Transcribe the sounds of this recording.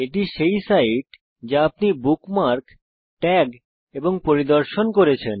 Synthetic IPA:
eʈiʃejsaiʈ | d͡ʑaapnibukmaɾk | ʈɛɡ | eboŋpoɾid̪oɾʃonkoɾet͡ɕʰen

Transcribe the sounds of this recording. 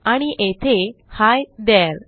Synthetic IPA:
aɽ̃iʔet̪ʰehajd̪al

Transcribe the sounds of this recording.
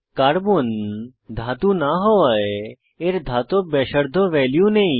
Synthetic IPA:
kaːɾbund̪ʱaːt̪ũnaɦoɐe | eɾd̪ʱaːt̪obeːʃəɾd̪ʱoʋɛːljũnɐĩ

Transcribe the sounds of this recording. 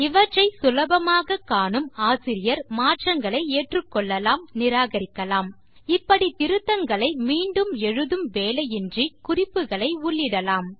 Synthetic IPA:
ɪʋɐʈrɐɪsʊlɐbɐmaːɣɐkːaːɳɯmaːsɪɾɪjɐɾmaːʈrɐŋɡɐɭɐɪeːʈrɯkːɔɭːɐlaːmnɪɾaːɣɐɾɪkːɐlaːm | ɪpːɐɽit̪ɪɾɯt̪ːɐŋɡɐɭɐɪmiːɳɖɯmɛɻɯðɯmʋeːlɐjɪndrikʊrɪpːɯɣɐɭɐɪʊɭːɪɽɐlaːm

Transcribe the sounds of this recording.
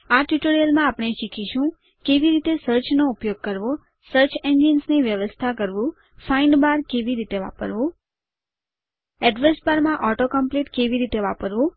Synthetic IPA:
aʈjuʈoɾijəlmãapɳ̃eʃikʰiʃũ | keʋiɾit̪esəɾt͡ʃnoupjoɡ̚kəɾʋo | səɾt͡ʃeɲd͡ʒinsniʋjəʋəst̪ʰakəɾʋũ | faiɳɖbaɾkeʋiɾit̪eʋa̰pə̰ɾʋũ | ɛɖʋesbaɾmãʔɔʈokəmpleʈkeʋiɾit̪eʋapəɾʋũ

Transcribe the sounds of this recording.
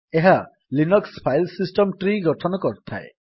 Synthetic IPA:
eɦa | linɔkspʰajlsisʈɔmʈɾiɡɔʈʰɔnɔkɔɾt̪ʰa̰e

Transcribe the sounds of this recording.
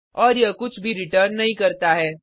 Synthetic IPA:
ɔːɾjɐkʊt͡ʃʰbʱiɾɪʈəːɾnːɐɦĩkɐɾt̪aɦɛː

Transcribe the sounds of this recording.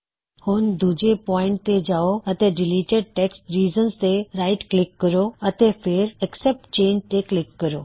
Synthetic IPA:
hʊnd̪uːd͡ʑepɔːɪ̃ɳʈ̚t̪ed͡ʑaːoɐt̪ẽɖɪliːʈeɖ̚ʈeːksʈɾiːzənst̪eɾaːɪʈklɪkːəɾoɐt̪efʰɪɾɛksɛp̚ʈt͡ɕẽːɲd͡ʒt̪eklɪkːəɾoː

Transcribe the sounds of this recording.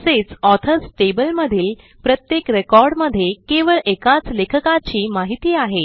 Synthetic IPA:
set͡sɔt̪ʰəsʈebəlməd̪ʱiːl | pɾət̪jekɾekɔɾɽməd̪ʱːjekeʋəɭʔekat͡slekʰəkat͡ɕiːmaɦit̪iːaɦe

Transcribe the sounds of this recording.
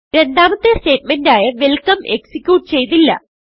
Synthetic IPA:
ɾe̞nɖaːmɐt̪ːeste̞ːt̚mendaːjɐʋelkɐme̞ksikʲjuːʈːɨ̥t͡ɕe̞jt̪̬ːilːɐ̰

